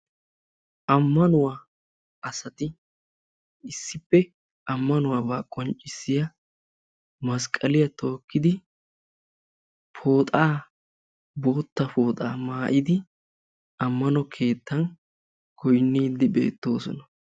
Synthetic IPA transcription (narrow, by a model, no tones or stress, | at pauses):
ʔɐmːɐnʊwaː | ɐsɐt̪ɪ | ɪsːɪpːɛ | ɐmːɐnʊwaːbaːkʼɔnt͡ʃʼːɪsːɪjɐ | mɐskʼːɐlɪjɐt̪o̞ːkːɪd̪ɪ | fo̞ːt̪ʼaː | bo̞ːt̪ːɐpo̞ːt̪ʼaːmaːʔɪd̪ɪ | ɐmːɐnɔkʰe̞ːt̪ːɐn | kʰɔjnːiːd̪ːɪbe̞̰ːt̪ːo̞ːsɔ̰nɐ